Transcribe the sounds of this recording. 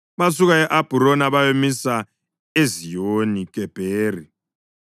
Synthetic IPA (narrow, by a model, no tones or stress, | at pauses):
masuk̬aɛʔab̥ʱuɾonaβajomisa | ezijonik̬ʼɛb̥ʱeːri